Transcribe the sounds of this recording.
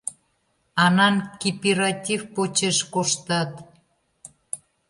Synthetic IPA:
ɑnɑnkʲipiɾatʲifpot͡ɕeʃkoʃt̪ɑt̪

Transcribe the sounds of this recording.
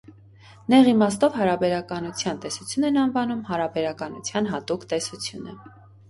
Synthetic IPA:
nɛʁimɑst̪ɔvɦɑɾɑbɛɾɑkɑnut͡sʰjɑnt̪ɛsut͡sʰjunɛnɑnvɑnumhɑɾɑbɛɾɑkɑnṵt͡sʰjɑnɦɑt̪ukʰt̪ɛsut͡sʰjunə̰

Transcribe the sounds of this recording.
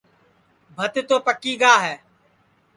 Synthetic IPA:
bʱət̪t̪oːpəkiːɠaːɦɛː

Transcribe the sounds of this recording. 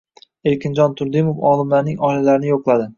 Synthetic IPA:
elkʲɪnd͡ʒɒnt̪ʰʊɾd̪ɪmofɒlˠɪmlaɾnɪŋɒɪlalaɾɪnɪjoqlˠad̪ɪ

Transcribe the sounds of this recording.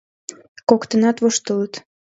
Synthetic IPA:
kokt̪ənɑt̪voʃt̪ələt̪

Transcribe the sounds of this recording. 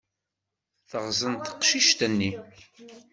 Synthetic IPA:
θəʁzənt̪ə̥qʃiʃt̪ənːi

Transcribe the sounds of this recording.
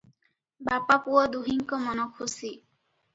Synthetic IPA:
bapapuɔd̪uɦiŋkɔmɔnɔkʰusi

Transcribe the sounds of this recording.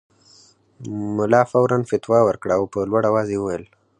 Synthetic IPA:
mʊlɑfawɾanfɪt̪wɑwəɾkɽaawpəlwaɽawɑzewuwajəl

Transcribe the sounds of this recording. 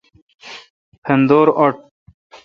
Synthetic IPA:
pʰend̪oːɾoʈ

